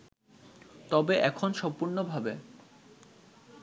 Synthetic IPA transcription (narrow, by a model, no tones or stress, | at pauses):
t̪ɔbeʔɛkʰonʃɔmpuɾnobʱabe